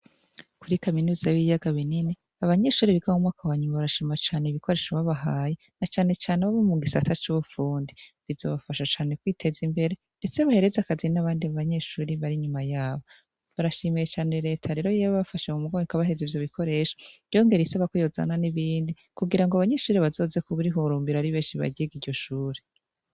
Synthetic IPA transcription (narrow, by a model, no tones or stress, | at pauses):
kuɾikaminuːzaβijaɡaβinine | aβaɲe̞ʃuːɾiβiɡahumŋaːkʰawaɲumaβaɾaʃiːmat͡ʃaːneiβikʰo̞ɾe̞ːʃaβaβaɦaːjenat͡ʃaːne̞t͡ʃaːneβaβomuɡisatat͡ʃuβufuːndiβizo̞̰βafaʃat͡ʃaːne̞kwiːtʰe̞zimbe̞ɾe̞ | nde̞t͡seβahe̞ɾe̞zakazinaβaːndiaβaɲe̞ːʃuːɾiβaɾiɲumajaːβo | βaɾaʃimijet͡ʃaːne̞ɾe̞ːtʰaɾe̞ːɾo̞jeβaβafaʃamumuɡoikaβaɦe̞zivjo̞βikʰo̞ɾeʃo̥ | jo̞ŋɡe̞ɾiisaβakojo̞za̰naniβiːndi | kuɡiɾaŋɡoaβaɲe̞ːʃuːɾiβazo̞ːze̞kuβuɾiɦuːɾuːmbiɾaɾiβeːnʃiβa̰ɟieɡiːɾɟo̞ʃuːɾe